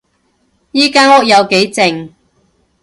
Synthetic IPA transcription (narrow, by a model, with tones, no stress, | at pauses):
jiː˥kaː˥nhʊ˥k̚jɐ˨˧wke˨˥jt͡sɪ˨ŋ